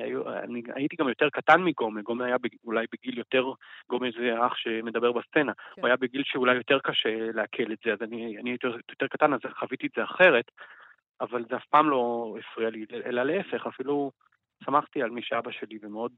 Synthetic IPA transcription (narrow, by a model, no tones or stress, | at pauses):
a̰jua̰nia̰jitiɡamjo̞te̞ʁkatanmiɡo̞meɡo̞meajabeulajbeɡiljo̞teʁɡo̞mezeʁaχʃe̞me̞d̪abe̞ʁbast͡se̞nauajabeɡilʃeulajo̞te̞ʁkaʃe̞leakʰe̞letz̥eazanianiajit̪ijot̪e̞ʁkatanazχavit̪ietz̥eaχe̞ʁe̞t | avalzeafpaːmlo̞efʁialileʔelaleefe̞χafilu | samaχt̪ialmiʃeabaʃe̞livemeod̚